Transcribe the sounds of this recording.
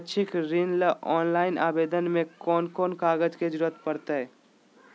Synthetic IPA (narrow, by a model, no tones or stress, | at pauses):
t͡ʃʰɪkɾinləʔɔːnlaːɪna̰ːbeːd̪ənmẽkɔːnkɔːnkaːɡəd͡ʒked͡ʒɾuət̪pəɾt̪aɦɛː